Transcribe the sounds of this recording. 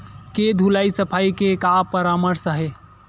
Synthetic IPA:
ked̪ʱulaisəpʰaikekapəɾaməɾsəɦe

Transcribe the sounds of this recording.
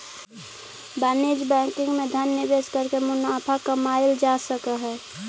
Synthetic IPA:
baned͡ʒbɛ̃kɪ̃ŋɡmed̪ʱənːəbeskəɾkemʊnapʰakəmaɪld͡ʒasəkəɦɛː

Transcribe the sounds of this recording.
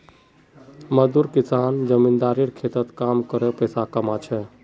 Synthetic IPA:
məd̪uɾkisand͡ʒəmind̪aɾiɾkʰet̪ət̪kamkəɾɛpəjsakəmat͡ʃʰɛ

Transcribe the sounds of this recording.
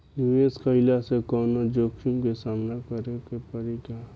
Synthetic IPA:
nueskəɪlasekɔːnod͡ʒoːkʰumkesaːmnakəɾekepəɾika

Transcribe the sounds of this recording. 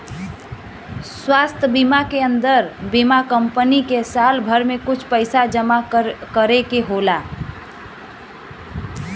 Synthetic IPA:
swast̪ʰəbimakeənd̪əɾbimakəmpənikesalbʱəɾmekʊt͡ʃʰpəɪsad͡ʒəmakəɾekeɦola

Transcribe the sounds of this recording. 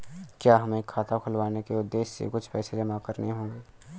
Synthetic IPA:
kjaːɦɐmeːkʰːaːt̪akʰʊlwaːnekeʊd̪ːeːʃsḛkʊt͡ʃʰpɛːsed͡ʒɐmakəɾneɦõːŋɡeː

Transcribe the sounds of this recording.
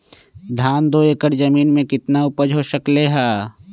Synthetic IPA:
d̪ʱaːnd̪oːeːkəɾd͡ʒɐmiːnmẽkɪt̪naʊpəd͡ʒɦoːʃəkleːɦaː

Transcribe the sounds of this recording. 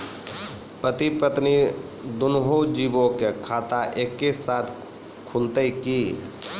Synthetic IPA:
pɾət̪ipət̪ni | d̪ʊnɦod͡ʒiːbokekʰaːt̪aʔeːkːesaːt̪ʰ | kʰult̪eki

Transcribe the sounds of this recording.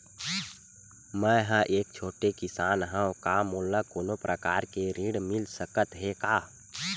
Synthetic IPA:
mɛ̃ɦə̃ʔeːk̚t͡ʃʰoːʈekɪsaːnɦɛ̃kamoːlːakoːnopɾʔəkaːɾkeɾiːɽmɪlsəkət̪ɦekaː

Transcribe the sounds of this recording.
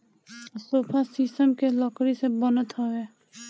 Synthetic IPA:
soːpʰasisʈəmkelɔkɾisebənət̪ɦoeː

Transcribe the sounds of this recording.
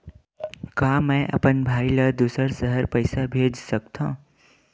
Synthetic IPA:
kaːmɛ̃ʔɐ̰pənbʱaːiləd̪uːsəɾsəɦəɾpəɪsabʱeːd͡ʒsəkt̪ã̰ː

